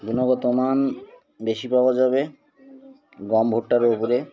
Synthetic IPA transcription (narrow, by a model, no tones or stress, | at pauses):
d̪ʱunoɡɔt̪oman | beʃipabad͡ʑabe | ɡɔmbʱoʈːaɾopoɾe